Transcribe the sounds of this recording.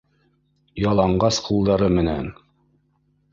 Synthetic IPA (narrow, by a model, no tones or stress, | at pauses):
jɑlˠɑɴɢɑsqulˠd̪ɑɾɤmɘ̆næ̰n